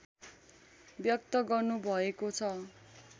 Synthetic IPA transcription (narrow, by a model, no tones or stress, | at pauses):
bjʌk̚t̪ʌɡʌrnubʱʌekot͡sʰʌ